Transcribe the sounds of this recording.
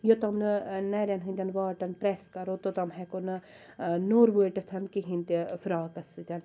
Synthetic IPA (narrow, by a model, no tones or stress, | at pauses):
jot̪ɐmnɨnɛɾʲɐnɦɨ̃nd̪ʲɐnʋaːʈɐnpɾɛskɐɾot̪ot̪ɐmɦɛkonɨ | noːɾʋuʈɐt̪ʰɐnkiɦĩnʲt̪ifɾaːkɐsɨt̪ʲɐn